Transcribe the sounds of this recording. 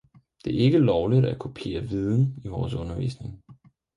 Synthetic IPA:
d̥e̝ɐe̝ɡ̥əlɒʊlid̥ækʰupʰe̝̰ːɐʋið̞ˠn̩iʋɒːsɔ̽nɐʋḭːsne̝ŋ

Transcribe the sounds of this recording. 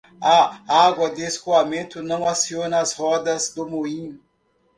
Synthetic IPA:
aaɡwɐd̪eskuamẽnt̪ʊnɐ̃w̃asionɐːshɔd̪ɐzd̪ʊmoĩ

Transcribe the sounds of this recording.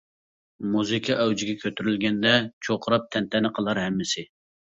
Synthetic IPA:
muzɨkʰɑʔɛwd͡ʒɪɡʲɛkʲʰøt̪ʰyɾylɡʲɛnd̪ɛt͡ʃʰoqʰəɾɑp̚t̪ʰɛnt̪ʰɛnɨqʰəlˠɑɾɦɛmːɪsɪ

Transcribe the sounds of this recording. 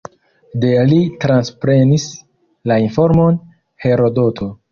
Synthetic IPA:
de̞litɾanspɾe̞nis | lainfo̞ɾmo̞n | he̞ɾo̞do̞tʰo̞

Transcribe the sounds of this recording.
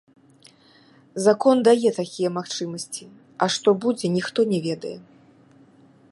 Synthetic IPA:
zakɔnd̪ajɛt̪akʲijɛmaxt͡ʂɨmɐsʲt͡sʲi | ɐʂt̪ɔbud͡zʲɛnʲixt̪ɔnʲɛvʲɛd̪ɐjɛ

